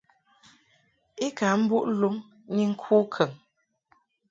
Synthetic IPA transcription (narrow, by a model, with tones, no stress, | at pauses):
i˦ka˨˦m̩˦bu˦ʔlu˦ŋ | ni˦ŋ̩˦kʰu˦kʰə˨ŋ